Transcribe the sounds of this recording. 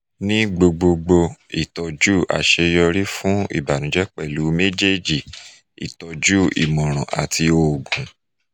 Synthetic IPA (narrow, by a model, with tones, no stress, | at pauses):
nĩ˦ɡ͡bo˧ɡ͡bo˧ɡ͡bo˧i˨tɔ˧d͡ʒu˦˨a̰˨ʃe˧jɔ˧ɾi˦fũ˦ḭ˦˨ba˨nũ˨˦d͡ʒɛ˦k͡pɛ˦˨lu˨˦me˦d͡ʒe˦˨d͡ʒi˦˨ | ḭ˨tɔ˧d͡ʒu˦ḭ˨mɔ̃˨ɾ̃ɔ̃˨ʔa̰˨ti˧o˨ɡ͡bũ˨